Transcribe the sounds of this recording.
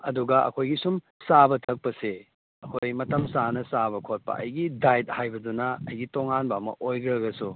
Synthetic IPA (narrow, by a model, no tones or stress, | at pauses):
ɐ̰duɡɐʔɐ̰kʰojɡisum | sabɐtʰɐk̚pɐse | ɐkʰojmɐtɐmsanɐsabɐkʰot̚pɐ̰ʔɐ̰jɡidajt̚hajbɐdunɐɐjɡitoŋanbɐːmɐ̰ʔojɡɐɾɐɡɐsu